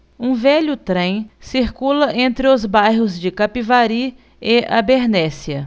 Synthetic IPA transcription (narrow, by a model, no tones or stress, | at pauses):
ũvɛʎʊt̪ɾẽj̃siɾkulɐʔẽnt̪ɾɪʊzbajɦʊzd͡ʒɪkapivaɾi | ɪɐ̰beɾnɛsiɐ